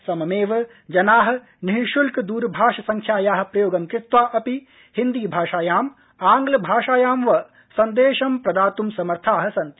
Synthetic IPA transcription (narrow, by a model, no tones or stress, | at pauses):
sɐmɐmeːʋɐ | d͡ʒɐnaːɦɐ̆ | niɦiʃulkd̪uːɾbʱaːʃɐsɐŋkʰjaːjaːɦɐ̆pɾɐjoːɡɐmkɾɪt̪ʋaːʔɐpi | hind̪iːbʱaːʃaːjaːm | aːŋɡlɐbʱaːʃaːjaːmʋɐ | sɐnd̪eːʃɐmpɾɐd̪aːt̪umsɐmɐɾt̪ʰaːɦɐ̆sɐnt̪i